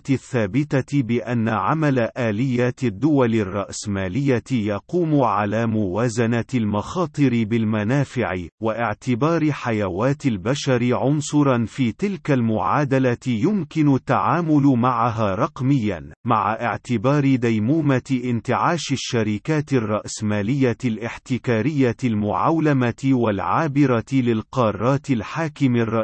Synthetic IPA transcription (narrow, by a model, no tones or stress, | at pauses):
t̪θːaːbɪt̪abɪʔanːaʕa̰malaʔaːlɪjːaːt̪ɪd̪ːʊwalɪrˤːɑ̰ʔsmaːlɪjːajɑquːmʊʕalaːmʊwaːzanalmɑxɑːt̪ˤɨɾɪbɪlmanaːfɪʕɪwaʔɪʕt̪ɪbɑːɾħajawaːt̪ɪlbaʃaɾɪʕʊnsˤʊɾˤɑnfiːt̪ɪlkalmʊʕaːd̪alajʊmkɪnʊt̪ːaʕaːmʊlmaʕaɦaːɾˤɑqmɪjːa̰nmaʕaʔɪ̰ʕt̪ɪbɑːɾɪd̪ajmuːmaʔɪnt̪ɪʕaːʃɪʃːaɾiːkaːt̪ɪrˤːɑʔsmaːlɪjːalʔɪħt̪ɪkaːɾɪjːaɪlmʊ̰ʕa̰wlamawalʕaːbɪɾˤalɪlqɑːrˤːɑːt̪ɪlħaːkɪmɪrˤːɑʔ